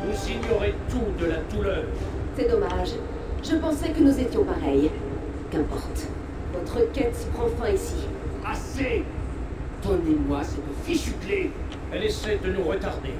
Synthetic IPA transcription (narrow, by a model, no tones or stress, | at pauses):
vusiɲɔʁet̪ud̪əlat̪ulœʁsɛd̪ɔmaʒ | ʒəpɑ̃sɛkənuzet̪jɔ̃paʁɛj | kɛ̃pɔ̰ʁt̪ | vɔt̪χəkʲɛt̪si̥pχɑ̃fɛ̃isiase | t̪ɔnimwasɛt̪əfiʃykle | ɛlesɛjd̪ənuʁət̪aʁd̪e